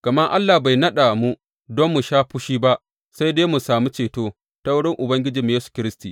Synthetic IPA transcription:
kɐ˨ma˦ʔa˦lːa˨ba˨jnɐ˦ɗa˨mu˦ | dɔ˦mːu˨ʃaː˦ɸu˦ʃiː˦ba˦ʔ | sa˦jdeː˦mu˨saː˨mu˦t͡ʃeː˨toː˦ | ta˦wɽɪ˦ŋʔʊ˨bɐ˦ŋɡʲɪ˦d͡ʒiː˨m˨˦jeː˦su̥˨kʲɪ˦ɾɪ˦stiː˨

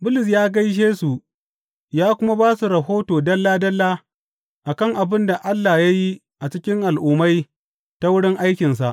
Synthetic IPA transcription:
bʊ˦lɪ˨s̬jaː˦ɡɐ˦jʃ̬eː˦su˨ | jaː˦kʷʊ˦ma˦baː˦su˨ɾɐ˨ɦoː˦toː˨dɐ˦lːaː˦dɐ˦lːaː˦ | ʔa˨kɐ˦˨ŋʔa˨bɪ˦nda˨ʔa˦lːa˨ja˦ji˦ | ʔa˨t͡ʃɪ˦kʲɪ˦ŋʔa˨lʔuː˨ma˦j | ta˦wʊ˦ɽɪ˦ŋʔa˦jkʲɪ˨nsa˨ʔ

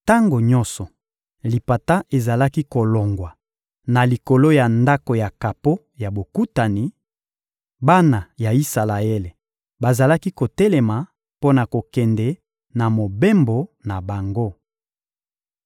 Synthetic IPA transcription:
ta˦ŋɡo˨ɲɔ˦sɔ˨ | li˨pa˨ta˦ʔe˨za˨la˦ki˦ko˨lo˨ŋɡwa˨ | na˨li˨ko˨lo˦ja˨nda˦ko˨ja˨ka˨po˦ | ja˨bo˨ku˦ta˨ni˨ | ba˦na˨ja˨i˦sa˨la˨e˦le˨ | ba˨za˨la˦ki˦ko˨tɛ˦lɛ˨ma˨ | po˦na˨ko˨kɛ˨ndɛ˦ | na˨mo˨be˦mbo˨na˨ba˨ŋɡo˦

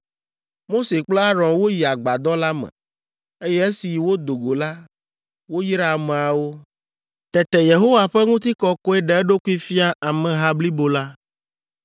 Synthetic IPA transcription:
mo˦se˨k͡plɛ˦a˦ɾɔ̃˨nwo˦ji˨a˨ɡ͡ba˨d̪ɔ˦la˦mɛ̰̃˨ | e˦jɛ˦e˦si˨wo˦d̪o˨ɡo˨la˦ | wo˦ji˦ɾa˨mẽ˨a˨wo˦ | t̪ɛ˨t̪ɛ˨je˨ɦo˦wa˨ɸɛ˦ŋũ˦t̪̬i˦kɔ˦kɔ˦ɛ˦ɖɛ˨ɛ˦ɖo˦ku˦i˦fi˦a˦ʔa˨mɛ̃˨ɦa˦bli˦bo˨la˦

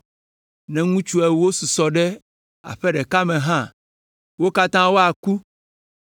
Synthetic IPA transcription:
nɛ̃˨ŋũ˦t͡ʃu˦ɛ˨wo˦su˨sɔ˨ɖɛ˦ | a̰˨ɸɛ˦ɖɛ˨ka˦mɛ̃˨ɦã˦ | wo˦ka˦t̪ã˦wo˦a˨ku˦

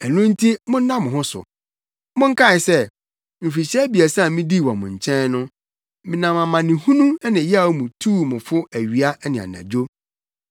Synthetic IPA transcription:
ɛ˨nʊ̃˦n̩˦tʰi˦mʊ̃˦n̩˦nã˦mʊ̃˨ɦʊ̃˦sʊ̰˨ | mʊ̃˦ŋ̩˦kʰa˦˨ɪ˨sɛ˦ | m̩˨fi˨ɕɛ˦bi˨æ˨sã˦˨mĩ˦di˦˨wɔ̰̃˨mʊ̰̃˨ɲ̩˨t͡ɕʰɛ̃˦nnʊ̃˦ | mɪ̃˨nã˨mã˨mã˨nɪ̃˨hũ˦nũ˦nɪ̃˨ja˦˨˦mũ˨tʰuː˦˨mʊ̃˨fʊ˦æ˨ɥi˨a˦nɪ̃˨a̰˨nã̰˨d͡ʑo˦

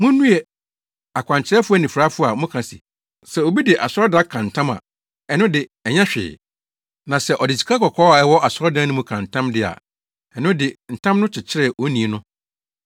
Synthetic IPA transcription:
mʊ̃˦nũ˦ɛ˨ | a˨kʷʰã˨ɲt͡ɕʰɪ˦ɾɛ˦fʊ˦æ˨nĩ˨fɾa˦fʊ˦˨a˨mʊ̃˦kʰã˨sḭ˨ | sɛ˨o˨bi˦dɪ˨ʔa˨sɾɔ˦da˦kʰã˨n̩˨tʰã˦ma̰˨ | ɛ˨nʊ̃˦dɪ˨ɛ˨ɲã˦ɕᶣɪ̰ː˨ | nã˨sɛ˨ʔɔ˨dɪ˨t͡ɕʰi̥˨kʰa˦kʰɔ˨kʰɔː˦a˨ɛ˦wɔ˦ʔa˨sʊ˦ɔ˦dã˦nʊ̃˦mũ˦kʰã˨n̩˨tʰã˦mdɪ˦a̰˨ | ɛ˨nʊ̃˦dɪ˨n̩˨tʰã˦mnʊ̃˦t͡ɕʰɪ˨t͡ɕʰɪ˦ɾɛ˦˨ʔo˦nĩ˨nʊ̃˦

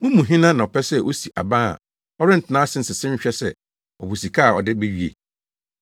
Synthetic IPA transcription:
mʊ̃˦mũ˨ɦĩ˦nã˦nã˨ɔ˨pʰɛ˦sɛ˦ʔo˦si˨ʔa̰˨bã˦a̰˨ | ɔ˦ɾɪ̃˦n̩˨tʰɪ˨nãː˦sɪ̃˦n̩˨sɪ˨sɪ̃˦m̩˦ɕᶣɛ˦sɛ˦˨ | ɔ˨bu˨si˨kʰa˦˨ɔ̰˨dɪ˦be˦ɥi˨ḛ˨

